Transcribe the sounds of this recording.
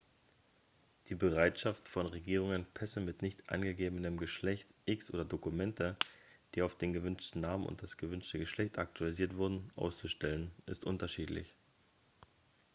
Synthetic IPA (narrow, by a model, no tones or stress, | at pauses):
d̥iːbəʁaɪtʃaftfɔnʁeɡiːʁ̞ʊŋənpʰɛsəmɪtnɪçtʔa̰nɡəɡeːbənəmɡəʃlɛçtʔɪksʔo̰ːdɐdokumɛntəd̥iːaʊfd̥eːnɡəvʏnʃtn̩naːmənʊ̰nt̚d̥asɡ̥əvʏnʃtəɡəʃlɛçtak̚tʰualiziːɐtv̥ʊɐdn̩ʔa̰ʊst͡suʃtɛlənʔɪstʔʊntɐʃiːtlɪ̰ç